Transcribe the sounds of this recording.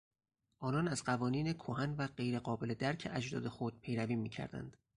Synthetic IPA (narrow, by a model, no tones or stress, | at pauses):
ʔɒːnɒːnæzɢævɒːniːnekʰoɦænvæɢe̞jɾe̞ɢɒːbe̞led̪æɾcʰeʔæd͡ʒd̪ɒ̰ːd̪e̞xod̪̥̚pʰe̞jɾæviːmiːcʰæ̰ɾd̪æ̰nd̪̥